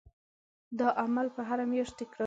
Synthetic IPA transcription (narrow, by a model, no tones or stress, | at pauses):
d̪əʔamalpəɦaɾamjɑʃt̪̚ɪkɾɑ